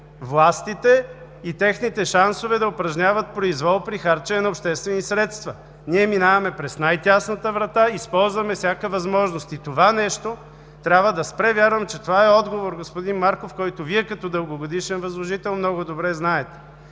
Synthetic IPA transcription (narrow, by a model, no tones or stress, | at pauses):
vlˠast̪it̪ɛ | it̪ɛxnit̪ɛʃansovɛd̪ɐʊpɾɐʒnʲavɐt̪̚pɾoizvɔlˠpɾixaɾt͡ʃɛnɐopʃt̪ɛst̪vɛnisɾɛt̪st̪vɐ | niɛminavɐmɛpɾɛsnajt̪ʲasnət̪əvɾɐt̪aispɔlˠzvɐmɛfsʲjakəvɐzmɔʒnost̪it̪ovanɛʃt̪o | t̪ɾʲabvəd̪ɐspɾɛvʲjaɾvɐmt͡ʃɛt̪ovaɛɔd̪ɡovoɾɡospʊd̪inmaɾkofkɔjt̪ʊviɛkɐt̪ɔd̪əlˠɡoɡod̪iʃɛnvɐzlˠoʒit̪ɛlˠmnɔɡʊd̪obɾɛznaɛt̪ɛ̥